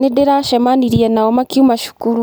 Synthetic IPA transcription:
nedeɾaʃemaniɾienawomakiumaʃu̥kuɾu

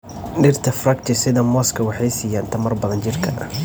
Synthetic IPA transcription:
ɖɪrt̪ʰɐfrɐkt͡ʃɪsɪðɐmɔːskʰɐwɑħɑjsiːjaːnt̪ʰɐmɐrbɐðɐnt͡ʃɪrkʰɐ̰ʔɐ̰

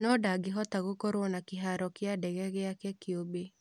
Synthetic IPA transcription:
nɔdaɡeɦɔtaɣokoɾonakeɦaɾɔkeadɛɣɛɣeakɛkeobe

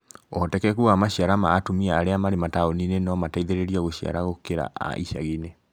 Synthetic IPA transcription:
ɔtɛkɛkuamaɕiaɾamaːtomiaːɾeamaɾemataoninenɔmataiðeɾeɾiaɣoɕia̰ɾaɣokeɾa̰ʔa̰ʔḭʃa̰ɣene

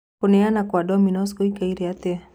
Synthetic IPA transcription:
kuneanakwadominɔskuikaiɾiat̪ea

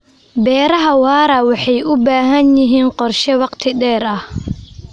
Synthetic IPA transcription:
bɛːɾɐɦɐwɑːɾɐwɑħɑjʔʊbaːɦɐnjɪɦiːnqɔrʃɛwɑqt̪ʰɪɖɛːɾɐh

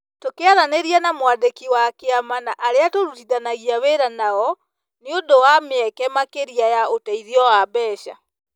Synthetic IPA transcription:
tokeaðaneɾianamwadekiwakeamanaʔaɾeatoɾutiðanaɣiaβeɾanaɔ | neondowameɛkɛmakeɾiajaotaiðiɔwabɛːʃa̰

